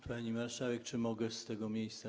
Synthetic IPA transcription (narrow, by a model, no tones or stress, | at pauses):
paɲimaɾʂavɛk̚t͡ʂɘmɔɡɛst̪ɛɡɔmʲjejst̪sa